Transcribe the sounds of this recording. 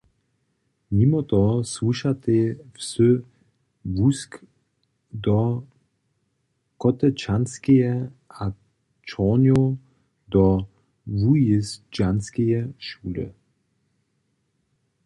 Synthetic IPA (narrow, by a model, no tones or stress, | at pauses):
nimɐtɔswuʃatefsø | vusk | dɔ | kɔtət͡ʃanskeɛa | t͡ʃɔnjo | dɔ | vujɪsd͡ʒanskeɛʃuːlə̰